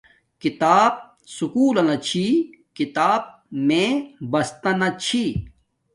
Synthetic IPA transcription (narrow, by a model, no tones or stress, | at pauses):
kit̪aːb̚ | sukuːlɐnɐt͡ɕʰi | kit̪aːb̚ | mẽbɐst̪ɐnɐt͡ɕʰi